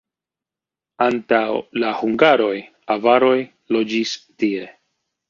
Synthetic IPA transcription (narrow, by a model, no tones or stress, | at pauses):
antawlahuŋɡaɾo̞j | avaɾo̞j | lo̞d͡ʒistie̞